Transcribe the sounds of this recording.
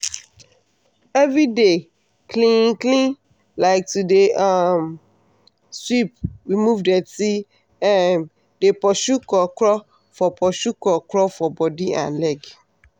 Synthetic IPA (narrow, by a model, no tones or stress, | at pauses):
ɛvɾide | kʰlĩŋklĩn | laɪk̚tudeam | swip̚ɹimuvdɛti | ɛm | depɔʃukɔkɾɔ | fɔpʰɔʃukɔkɾɔfɔbɔdiã̰nlɛɡ